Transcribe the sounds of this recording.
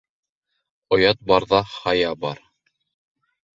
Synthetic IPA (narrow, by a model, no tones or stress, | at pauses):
ŏjɑt̪̚bɑɾðɑχɑjɑbɑɾ